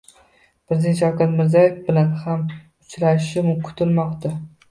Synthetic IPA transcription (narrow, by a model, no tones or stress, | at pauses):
pʰɾezent̪ʃɒwkʲat̪mɪɾzɒjefbɪlanham | ʊt͡ʃʰɾaʃɪmʊkʰʊ̥t̪ʰɪlmɒqt̪ʰa